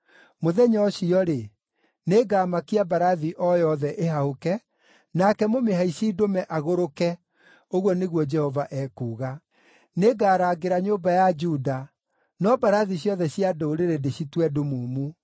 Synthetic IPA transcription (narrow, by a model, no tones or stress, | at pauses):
moðɛɲɔɕiɔɾe | neːɡaːmakiabaɾaðiʔɔjɔðɛʔeɦahokɛ | nakɛmomeɦaiɕiːdomɛʔaɣoɾokɛ | oɣwɔneɣwɔd͡ʒɛhɔvaʔɛkuːɣa | neɡaːɾaːɡeɾaɲobajad͡ʒuda | nɔbaɾaðiɕjɔðɛɕiadoːɾeɾedeɕitwɛdomuːmu